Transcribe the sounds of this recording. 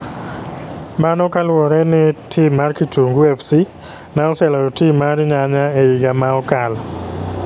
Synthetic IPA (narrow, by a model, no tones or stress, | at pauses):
manɔkalwɔɾɛnɪtʰimarkituŋɡuɛfsi | naɔsɛlaɔtimaɾɲaɲaeiɡamaɔkal